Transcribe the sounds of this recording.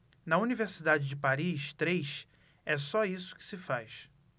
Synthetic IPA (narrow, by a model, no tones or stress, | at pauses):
nɐuniveɾsid̪ad͡ʒɪd͡ʒɪpaɾiʃt̪ɾejʃ | ɛsɔisʊ̥kɪ̥sɪfajʃ